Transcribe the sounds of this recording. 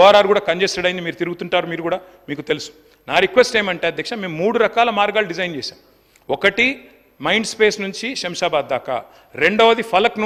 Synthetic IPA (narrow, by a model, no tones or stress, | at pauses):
ɔːɾaːɾɡuːɽaːkɐɲd͡ʒeːsɐɽɐjind̪imiːɾut̪iɾuɡut̪uɳʈaːɾumiːɾuɡuːɽaː | miːkut̪elusu̥ | naːɾikʋesʈeːmɐɳʈeːɐd̪ʱːekʂɐme̞ːmːuːɽuɾɐkaːlɐmaːɾɡaːluɖid͡ʒɐjnd͡ʒɛːsa̰ːm | ɔkɐʈi | mɐjɳɖspe̞ːsnuɲt͡ʃiʃɐmʃaːbaːd̪ːaːka̰ | ɾe̞ɳɖɐʋɐd̪ipʰɐlɐknu